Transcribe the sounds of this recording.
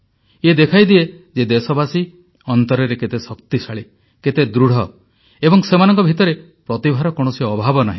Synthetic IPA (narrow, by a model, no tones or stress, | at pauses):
ed̪ekʰajd̪ie | d͡ʒed̪esɔbasi | ɔnt̪ɔɾeɾeket̪esɔkt̪isaɭi | ket̪ed̪ɾuɽ̤ɔ | ebɔŋsemanɔŋkɔbʱit̪ɔɾe | pɾɔt̪ibʱaɾɔkoɽ̃ɔsiɔbʱabɔnaɦĩ